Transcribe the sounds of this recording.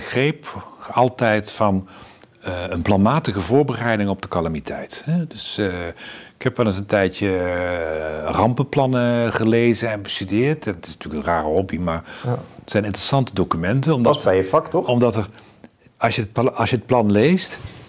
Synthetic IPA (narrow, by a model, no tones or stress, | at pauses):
xrejpɑlˠtɛjtfɑn | ənplɑnmaːtəɣəvʊːɹbərɛjdɪŋɔb̚dəkɑlamitʰɛjthɛdɵs | ɪkʰɛpʋɛlˠəsəntɛjtjə | rɑmpəplɑnəχəlejzənɛnbəstydɪːɹtɛtɪsntyːləkənraːrəɦɔbimaːɹətz̥ɛjnɪntrəsɑntədowkymɛntənɔmdbɛjəfɑktɔɔmdɑtər | ɑsjəpɑsjəət̚plɑnlejst